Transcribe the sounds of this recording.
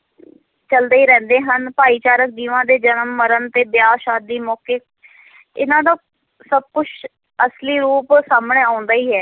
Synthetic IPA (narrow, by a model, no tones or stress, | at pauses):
t͡ʃəld̪eiːɾɛ̃ːnd̪eːɦənpaːiːt͡ʃaːɾək̚d̪iːʋãːd̪eːd͡ʒənəmːəɾənt̪eːbɪjaːʃaːd̪iːmɔːkeːk | ɪnãːd̪aː | səb̚kʊt͡ʃʰ | əsliːɾuːpsaːmɳeːãːʊ̃nd̪aːiːɦɛː